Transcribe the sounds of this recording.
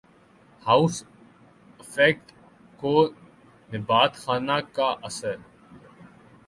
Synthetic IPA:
haʊs | ɪfɛk̚ʈ | ko | nɪbaːt̪xaːnakaʔɐsəɾ

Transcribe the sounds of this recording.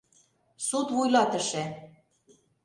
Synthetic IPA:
sut̪βujlɑt̪ə̆ʃĕ

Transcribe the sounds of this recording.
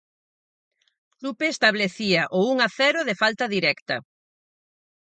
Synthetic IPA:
lupeːst̪aβleθiɐʔouŋaθɛɾʊðefalt̪ɐðiɾɛkt̪ɐ̰

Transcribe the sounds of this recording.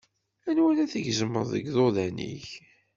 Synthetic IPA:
ænwælæθəʝzəmːəɾˤðə̰ɡðoðænḭç

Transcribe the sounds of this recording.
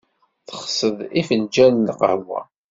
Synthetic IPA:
θəχsəðˤifənd͡ʒænːəqə̰ʕwæ̰

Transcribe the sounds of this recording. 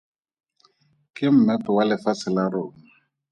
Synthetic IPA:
kɪm̩mɛpʊwalɪfasɪlarʊːŋa

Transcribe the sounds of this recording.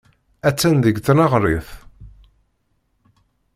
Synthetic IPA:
æt͡sːænðəɡθnɑʁɾˤiθ

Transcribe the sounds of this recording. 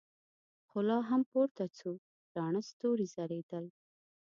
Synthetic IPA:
xʊlɑɦampoɾt̪at͡su | ɾɑɳəst̪oɾizaɾed̪əl

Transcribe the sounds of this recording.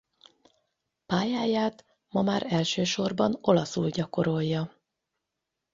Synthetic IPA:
paːjaːjaːt̪ | mɒmaːɾɛlʃøːʃo̞rbɒno̞lɒsulɟɒko̞ɾo̞jːɒ

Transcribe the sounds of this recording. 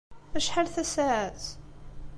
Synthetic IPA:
θæʃħalθæsaʕæz

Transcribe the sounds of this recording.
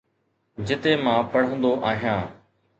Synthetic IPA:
d͡ʑɪt̪emãːpɐɽ̤ə̃nd̪oʔaːɦijãː

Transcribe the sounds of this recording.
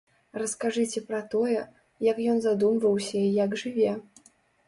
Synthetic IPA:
rɐskaʐɨt͡sʲɛpɾɐt̪ɔjɛ | jɐkjɔnzad̪umvɐwsʲɐijɐɡʐɨvʲɛ

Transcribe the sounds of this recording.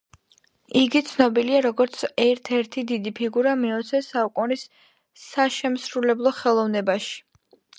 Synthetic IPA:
iɡit̪sʰnɔbiliaɾɔɡɔɾt̪sʰɛɾt̪ʰɛɾt̪ʰid̪id̪ipʰiɡuɾamiɔt̪sʰɛsaukʼunisː | aʃɛmsɾulɛblˠɔχɛlˠɔvnɛbaʃi̥

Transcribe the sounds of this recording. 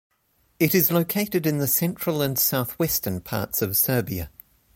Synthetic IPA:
ɪɾɨzləʊkʰeɪɾɨɾɨ̃nðəsɛ̃nt͡ʃɹ̥əlˠə̃nsaʊθwɛstə̃npʰɑ̰ɹtsəv̥sɜ˞biɨ̰

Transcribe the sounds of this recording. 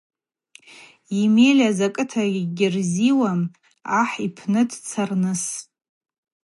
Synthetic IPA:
imelʲazakʼɨtʰaiɡʲɪrziwam | aħipʰnɨdt͡sʰarnɨs

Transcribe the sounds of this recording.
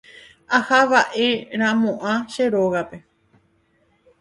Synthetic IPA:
ahaʋaʔe̞ɾ̃ãmõʔãʃeɾoɣape̞

